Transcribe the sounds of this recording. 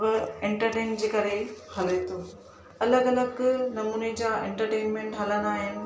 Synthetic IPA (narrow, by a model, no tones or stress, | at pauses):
ẽɳʈəɾʈeːnd͡ʑeːkɐɾehɐlet̪oː | ɐləɡɐləɡnɐmuːned͡ʑaḛ̃ɳʈəɾʈeːnmẽɳʈɦɐlənaːɦɪnɪ̆